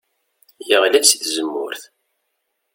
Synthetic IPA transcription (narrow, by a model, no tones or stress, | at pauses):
jəʁlæsiθzəmːʊ̰ɾθ